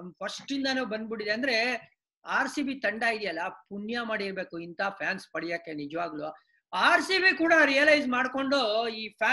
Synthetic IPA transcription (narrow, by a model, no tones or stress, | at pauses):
pʰɐʂʈind̪ɐnuːbɐnd̪biɽid̪eɐnd̪ɐɾe̞ | aːɾsiːbit̪ɐɳɖaːɡid̪ijɐlːɐpunjamaːɽiɾbe̞ːkuint̪apʰjaːnspɐɽijaːkːenid͡ʒɐʋaːɡɐlu | aːɾsibikuːɽɐɾijɐlɐjd͡ʒmaːɽko̞ɳɖoiːpʰjaː